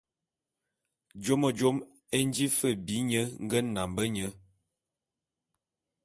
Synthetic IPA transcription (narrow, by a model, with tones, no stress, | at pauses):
d͡ʒo˦mə˨d͡ʒo˦m | e˦n˦d͡ʒi˦fə˦˨bi˨˦ɲə˦ŋ˦ɡə˦na˨mbə˦ɲə˦